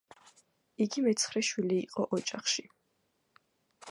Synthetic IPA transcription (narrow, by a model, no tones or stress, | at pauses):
iɡimɛt̪sʰχɾɛʃwiliːqʼɔʔɔt͡ʃʼaχʃi